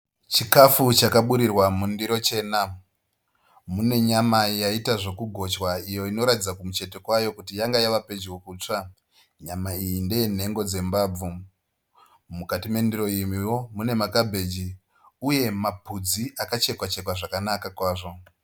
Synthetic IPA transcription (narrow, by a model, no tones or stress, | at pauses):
t͡ʃikafut͡ʃakaɓuɾirwamundiɾo̞t͡ʃe̞ːna | mune̞ɲamajaitaʐo̞kuɡʱo̞t͡ʃwaijo̞ino̞ɾatid͡zakumut͡ʃe̞te̞kwajo̞kutijaŋɡajaʋape̞d͡ʒwokuːt͡ʂa | ɲamaijinde̞jen̤e̞ŋɡo̞d͡ze̞mbaːb͡vu | mukatime̞ndiɾo̞imiwo̞mune̞makabʱe̞d͡ʒi | uje̞mapud͡ziʔakat͡ʃe̞kwat͡ʃe̞kwaʐakanakakwaːʐo̞